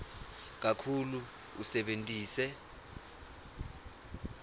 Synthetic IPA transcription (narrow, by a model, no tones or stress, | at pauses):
k̬ʼakʰulu | usɛɓentʼiːsɛ